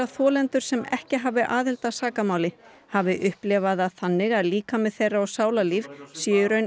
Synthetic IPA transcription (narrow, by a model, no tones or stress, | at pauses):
aθɔːlɛnt̪ʏɾ̥sɛmɛ̰hcɪɦaːvɪʔaːðɪlt̪asaːkamaːwlɪ | havɪʔʏhplɛːvaðaðθanːɪɣaðliːkamɛðθejrːaɔsaːwlaliːvsjɛːjʏɾœɥn